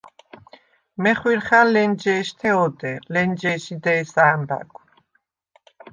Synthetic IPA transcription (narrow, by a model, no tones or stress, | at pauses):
mɛχwiɾχalɛnd͡ʒɛːʃt̪ʰɛɔd̪ɛlɛnd͡ʒɛːʃid̪ɛːsaːmba̰ɡʰʷ